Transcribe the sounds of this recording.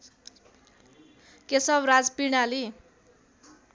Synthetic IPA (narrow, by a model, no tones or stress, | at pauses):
kesʌbrad͡zpiɽali